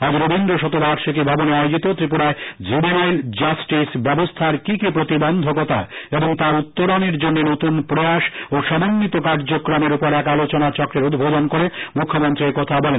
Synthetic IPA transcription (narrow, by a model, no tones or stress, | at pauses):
ɦɔd͡ʑɾobind̪ɾoʃɔt̪oɾaɾʃokibʱaboneajod͡ʑit̪ot̪ɾipuɾaed͡ʑibinald͡ʑasʈisbɛbost̪ʰaɾkikipɾot̪ibond̪ʱokot̪a̰eboŋt̪aɾut̪ːoɾoneɾd͡ʑonːenot̪unpɾojaʃoʃɔmanːit̪okaɾd͡ʑokɾameɾupoɾɛkalot͡ɕonat͡ɕɔkɾeɾud̪bʱod̪onkoɾemukʰːomont̪ɾiɾkɔt̪ʰabɔlen